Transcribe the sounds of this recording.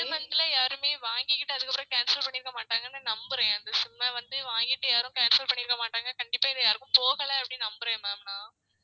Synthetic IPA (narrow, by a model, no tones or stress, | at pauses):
ɛnːɐɪnd̪ɪlɐjaːɾɯmeːʋaːŋɡɪkɪʈːɯɐðɯkːɐpːɪɾɐ̃kaːnsɪlɐlpɐɳːɪɾɯkːɐmaːʈːaːŋɡɐnːɯnɐmbɯɾɐ̃j̃ɐnd̪ɐsʊmːɐʋɐnd̪ɯʋaːŋɡɪʈːɯjaːɾɯ̃kaːnsɐlpɐɳːɪɾɯkːɐmaːʈːaːŋɡɐkɐɳɖɪpːaːɪðɯjaːɾɯkːʊ̃poːɣɐɭɐɐpːɐɽinɐmbɯɾɐ̃mɛːmnaː